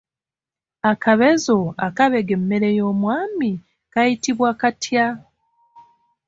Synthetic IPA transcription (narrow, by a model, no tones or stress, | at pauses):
akaβezo̞akaβe̞ɡe̞mːe̞ɾe̞jo̞ːmwaːmi | kajitiβwaːkatja